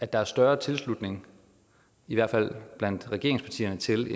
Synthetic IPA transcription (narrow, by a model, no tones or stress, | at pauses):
æd̥ɑ̈æɐsd̥ɶɐt͡sʰe̝lslud̥ne̝ŋ | iʋæɐ̰d̥fæl̰b̥læn̰d̥ʁɛɡ̥e̝ɐeŋspʰɑ̈t͡sʰḭːɐnət͡sʰe̝le